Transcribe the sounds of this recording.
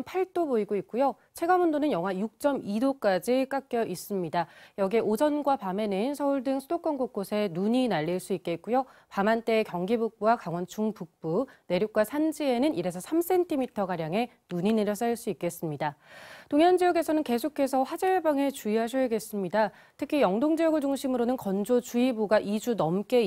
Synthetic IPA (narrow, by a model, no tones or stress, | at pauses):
mpʰaɭt͈oboiɡoik̚k͈ujo | t͡ɕʰe̞ɡamundonɯnjʌŋɦwajuk̚t͡ɕ͈ʌmidok͈ad͡ʑik͈ak͈̚jʌʔis͈ɯmɲidajʌɡeʔod͡ʑʌnɡwapame̞nɯnsʰʌuɭdɯŋsʰudok͈ʌnɡok̚k͈osʰe̞nuɲinaʎːiɭs͈uik͈̚e̞t̚k͈ujopamant͈e̞ːkjʌŋɡibuk̚p͈uwakaŋwʌnt͡ɕuŋpuk̚p͈une̞ɾjok͈wasʰand͡ʑie̞nɯniɾe̞sʰʌsʰams͈ʰe̞ntʰimitʰʌɡaɾjaŋe̞ | nuɲine̞ɾjʌs͈aɭs͈uik͈e̞s͈ɯmɲidatoŋjʌnd͡ʑijʌɡe̞sʰʌnɯnke̞sʰokʰe̞sʰʌɸwad͡ʑʌɭbaŋe̞t͡ɕuiɦaɕ̬ʰʌjɡe̞s͈ɯmɲida | tʰɯkʰijʌŋdoŋd͡ʑijʌɡɯɭd͡ʑuŋɕʰimɯɾonɯnkʌnd͡ʑot͡ɕuibuɡaʔid͡ʑunʌmk͈e̞